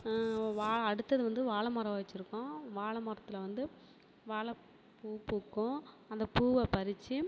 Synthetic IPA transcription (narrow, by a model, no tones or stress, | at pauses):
ʋaːɭɐɽɯt̪ːɐðɯʋɐnd̪ɯʋaːɭɐmɐɾɐ̃ʋʋɐt͡ʃːɪɾɯkːʊ̃ʋaːɭɐmɐɾɐt̪ːɪlɐʋɐnd̪ɯ | ʋaːɭɐ | puːpuːkːʊ̃ | ɐnd̪ɐpuːʋɐpɐɾɪt͡ʃːɯ